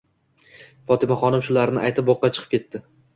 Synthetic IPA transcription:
fɒt̪ʰɪmaχɒnɪmʃʊlaɾnɪʔajt̪ʰɪp̚ːoqːɑt͡ʃʰɨ̥qʰɨ̥pkʲʰe̞t̪ːɪ

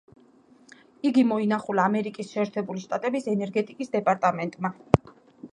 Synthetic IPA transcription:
iɡimɔinaχulaːmɛɾikʼisʃɛːɾt̪ʰɛbuliʃt̪ʼat̪ʼɛbisɛnɛɾɡɛt̪ʼikʼisd̪ɛpʼaɾt̪ʼamɛnt̪ʼma

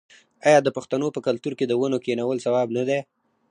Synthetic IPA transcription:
ɑjɑd̪əpaxt̪anopəkalt̪uɾked̪əwanokenawəlsawɑbnad̪e

